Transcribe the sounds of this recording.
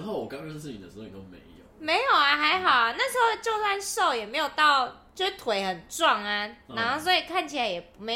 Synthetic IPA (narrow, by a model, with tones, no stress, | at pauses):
xo˥˩ʊwɔ˨˩ka˥ɹ̩˥˩t͡ɕi˨˩ə̰˨˩ʂ̩˧˥˧o˥˧mḛ˧˦ɪ˧jo̰˨˦me˧˥ɪjo˨˩ʊa˨˦xa˧˥ɪxɑ˨˩ʊa˦na˥˩ʂ̩˧˥xo˥˧ʊt͡ɕjo˥˧ʊswa˥˧nʂo˥˩ʊjɛ˨˩me˧˥jo˨˩ʊt̪ɑ˥˩ʊt͡ɕjo˥˧ʂ̩˥˩t̪ʰwe˧˥ɪxə˨˩nt͡swɑ˥˩ŋa˨˩a˧˦nxo˥˩ʊs̬wɔ˧˥i˨˩kʰa˥˩nt͡ɕʰi˨la˧˦ɪjɛ˨˩pu˧˦me˧˥